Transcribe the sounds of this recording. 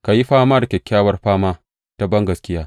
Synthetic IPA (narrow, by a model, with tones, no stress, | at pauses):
ka˨ji˦ɸaː˦maː˦dɐ˨kʲɛ˨kʲːaː˦wɐ˦rɸaː˦maː˦ | ta˦bɐ˦ŋɡɐ˨skʲɪ˦jaː˦